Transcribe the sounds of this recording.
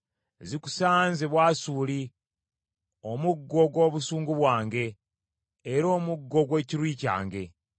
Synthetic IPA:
ziku̥saːnzeβwaːsuli | o̞muɡːoɡwo̞ːβusuːŋɡuβwaːŋɡe̞ː | ɾo̞ːmuɡːo̞ɡwe̞ːciɾwiːca̰ːŋɡe̞

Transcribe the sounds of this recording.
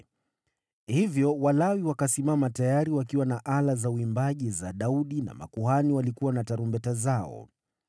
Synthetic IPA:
hivjɔwalawiwakasimamatajaɾiwakiwanaʔalazauimbaʄizaɗauɗina̰ma̰kuhaniwalikuwanataɾumbɛtazaɔ̰

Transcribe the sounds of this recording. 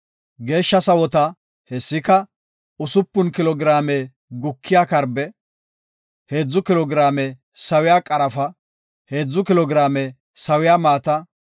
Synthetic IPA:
ɡe̞ːʃːɐsɐwɔt̪ɐ | hɛsːɪkɐ | ʊsʊpːʊnkɪlɔɡɾaːme | ɡʊkʰːɪjaːkɐɾbɛ | he̞ːd͡zːʊkɪlɔɡɾaːmɛ | sɐwɪjaːkʼɐɾɐfɐ | heːd͡zːʊkɪlɔɡɾaːmɛ | sɐwɪjaːmaːt̪ɐ

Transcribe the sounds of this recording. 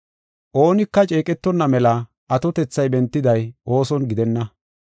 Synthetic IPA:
ʔo̞ːnɪkːɐt͡ʃʼe̞ːkʼɛt̪ːɔnːɐmɛlɐ | ʔɐt̪ɔt̪ɛt͡sːɐjbɛnt̪ːɪd̪ɐjʔo̞ːsɔnɡɪd̪ɛnːɐ

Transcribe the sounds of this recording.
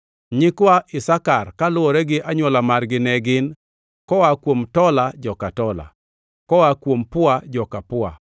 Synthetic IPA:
ɲɪkwaʔɪsakarkalʊɔɾɛɡɪʔaɲwɔlamarɡɪnɛɡɪn | kɔwakwomtɔlad͡ʒɔkatɔla̰ | kɔwakwompʊad͡ʒɔkapʊa̰

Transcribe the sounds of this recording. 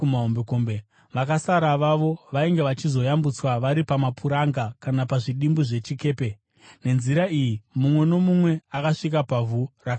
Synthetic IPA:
maɦombekombe | ʋakasaɾaʋaʋo̞ʋaiŋɡe̞ʋat͡ʃizo̞jambut͡swaʋaɾipamapʰuɾaŋɡakanapaʐiɗimbuʐe̞t͡ʃike̞ːpe̞ | ne̞nziɾaijimumwe̞no̞mumwe̞akaʂik̬apavuraka

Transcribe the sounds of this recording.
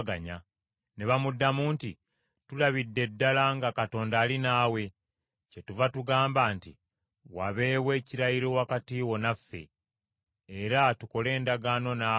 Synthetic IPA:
ɡaɲa | ne̞βamudːamuːnti | tulaβidːe̞dːalaŋɡakato̞ːndaːlinaːwe̞ | ce̞tuvatuɡaːmbaːnti | waβe̞ːβwe̞ːciɾaiɾowakatiːwo̞nafːe̞̰ː | ɾatuko̞le̞ːndaɡaːno̞na

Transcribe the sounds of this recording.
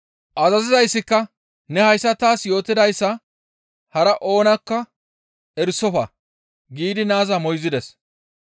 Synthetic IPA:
ʔɐzɐzɪzɐjsːɪkːɐ | nɛhɐjsːɐt̪aːsjo̞ːt̪ːɪd̪ɐjsːɐ | hɐɾɐʔo̞ːnɐkːɐ | ɛɾsɔfɐ̰ | ɡiːd̪ɪnaːzɐmɔjzɪd̪ɛs

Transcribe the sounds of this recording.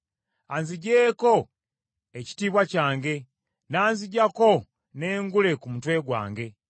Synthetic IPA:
anziɟeːko̞ | eci̥tiːβwacaːŋɡe̞ | naːnziɟako̞ | ne̞ːŋɡule̞kumutwe̞ːɡwa̰ːŋɡe̞

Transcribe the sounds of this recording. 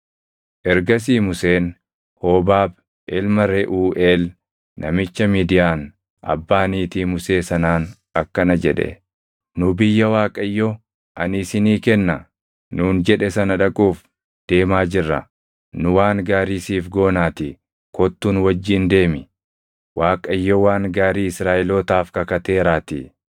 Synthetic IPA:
ʔɛɾɡɐs̬iːmʊseːn | hoːbaːb | ʔɛlmɐɾɛʔuːʔeːl | nʔɐ̰mɪt͡ʃːɐmiːd̪ɪjaːn | ɐ̰bːaːniːt̪iːmʊse̞ːsɐnaːn | ɐkːɐnɐd͡ʒɛᶑɛ̰ | nʊbɪjːɐwaːkʼɐjːɔ | ʔɐnɪsɪniːkɛnːɐ | nuːnd͡ʒɛᶑɛsɐnɐᶑɐkʼuːf | d̪̥e̞ːmaːd͡ʒɪrːɐ̰ | nʊwaːŋɡaːɾiːsiːfɡo̞ːnaːt̪ɪ | kɔt̪ːuːnwɐd͡ʒːiːnd̪e̞ːmɪ | waːkʼɐɪjːɔwaːŋɡaːɾiːɪsɾaːʔɪloːt̪aːfkɐkɐt̪e̞ːɾaːt̪ɪ

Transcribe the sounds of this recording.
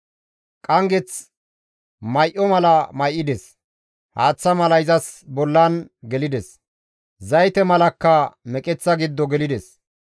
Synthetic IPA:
kʼɐŋɡɛt͡s | mɐjʔɔmɐlɐmɐjʔːɪd̪ɛs | haːt͡sːɐmɐlɐjzɐsbɔlːɐnɡɛlɪd̪ɛs | zɐjt̪ɛmɐlɐkːɐmɛkʼɛt͡sːɐɡɪd̪ːɔɡɛlɪd̪ɛs

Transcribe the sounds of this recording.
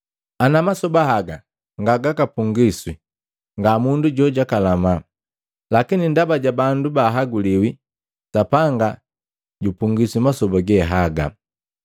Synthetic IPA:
anamasɔbaɦaɡa | ŋɡaɡakapuŋɡiswi | ŋɡamunduɟɔɟakalama | lakinindabaɟabandubaɦaɡuliwi | sapaŋɡa | ɟupuŋɡiswimasɔbaɡɛɦaɡa̰

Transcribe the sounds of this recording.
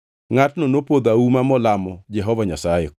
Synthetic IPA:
ŋatnonopod̪aumamɔlamɔd͡ʒɛɦɔvaɲasaje

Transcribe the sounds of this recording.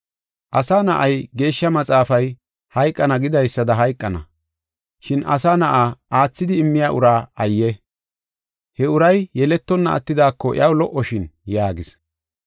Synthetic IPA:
ʔɐsaːnɐʔɐjɡe̞ːʃːɐmɐt͡sʼaːfɐj | hɐjkʼːɐnɐɡɪd̪ɐjsːɐd̪ɐɦɐjkʼːɐnɐ̰ | ʃɪnʔɐ̰saːnɐʔaːʔaːt͡sːɪd̪ɪɪmːɪjaːʔʊɾaːɐjːɛ | hɛʊɾɐjjɛlɛt̪ːɔnːɐɐ̰t̪ːɪd̪aːkːɔʔɪ̰ɐwlɔʔɔʃɪnjaːɡɪs

